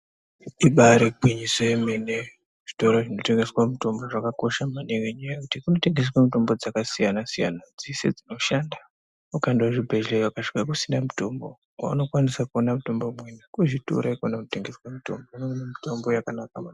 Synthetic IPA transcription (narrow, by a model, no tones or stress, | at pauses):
iɓaɾeɡʱwiɲisemene | ʐ̥i̥to̞ɾoʐino̞te̞ŋɡe̞swamuto̞mbo̞ʐakako̞ʃamaneŋweɲajajekutikuno̞te̞ŋɡes̬wamuto̞mbod͡zakasijanasija̰nad͡zisḛd͡zino̞ʃanda | ukandawaʐibʱeʒlewakaʃi̥kakusinamuto̞mbo | wa̰ṵno̞kwanisakuonamuto̞mbomwenakuʐito̰ɾaikonakunoteŋɡe̞swamuto̞̰mboineŋɡnemito̞mbo̞jakanakaman